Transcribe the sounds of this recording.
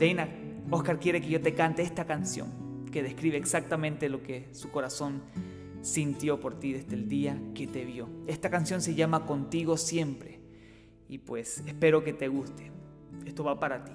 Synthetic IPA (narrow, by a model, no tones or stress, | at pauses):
d̪̥ejnaohkaɾkje̞ɾekeʝot̪ekant̪eest̪akansjo̰ŋke̞ðehkɾiβeːksak̚t̪amẽnt̪eloke | sukoɾaso̞n | sint̪jo̞poɾt̪iðezd̪eld̪iaket̪eβjoe̞st̪akansjo̞nseʝamako̞nt̪iɣosje̞mpɾe | ipwesespe̞ɾoke̞t̪eɣust̪e̥ | est̪oβapaɾat̪i̥